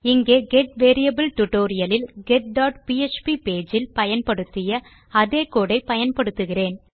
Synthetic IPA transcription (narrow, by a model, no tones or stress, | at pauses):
ɪŋɡeːɡɛʈʋeːɾɪjɐbɐlʈʊʈoːɾɪjɐlɪlɡɛʈ̚ɖaːʈpiɛt͡ʃpipeːd͡ʒɪlpɐjɐnpɐɽɯt̪ːɪjɐ | ɐðeːkoːɽɐɪpːɐjɐnpɐɽɯt̪ːɯɣɪreːn